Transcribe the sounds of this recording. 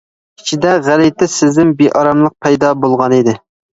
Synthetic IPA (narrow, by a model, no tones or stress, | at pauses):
it͡ʃʰid̪ɛʁælɪt̪ʰɪsɪznɪmbeʔɑɾɑmlˠəq̚pʰɛjd̪ɑbolˠʁɑnid̪ɪ